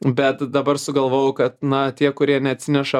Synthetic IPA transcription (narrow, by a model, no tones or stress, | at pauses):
bʲɛt̪d̪ɐbɐrsʊɡɐlˠʋoːjʊkɐt̪nɐt̪ʲiɛkʊɾʲiɛnʲɛɐt̪ʲsʲɪnʲɛʃɐ